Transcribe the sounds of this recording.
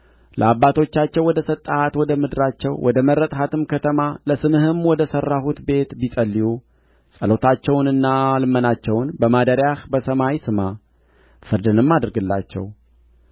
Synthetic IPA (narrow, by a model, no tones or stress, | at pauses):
lʔə̰abːat̪ʰo̞t͡ʃːat͡ʃːɛwːɔd̪əsət̪ʼːaat̪wɔd̪əmɨd̪ɾat͡ʃːɛwwʔɔd̪əməɾːət̪ʼhat̪ʰɨmkʰət̪ʰəmaləsɨmɨhɨmwɔd̪əsərːahut̪be̞t̪bisʼəlːiju | sʼəlo̞t̪ʰat͡ʃːɛwnɨnːalɨmːənat͡ʃːɛwnbəmad̪əɾjahbəsəmawsɨma | fɨɾd̪ɨnɨmːad̪ɨɾɡɨlːa̰t͡ʃːɛ̰w